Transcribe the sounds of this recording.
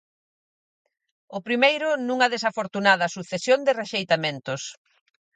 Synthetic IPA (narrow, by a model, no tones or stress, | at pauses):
ʊpɾimejɾʊnũŋɐðesafoɾt̪unaðɐsuθesjond̪ɪreʃejt̪amẽnt̪ʊs